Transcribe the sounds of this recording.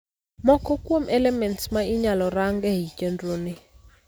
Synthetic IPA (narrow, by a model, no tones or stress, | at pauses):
mɔkɔkʼwomʔɛlɛmɛntsmaiɲalɔraŋɡɛɦicʼendroni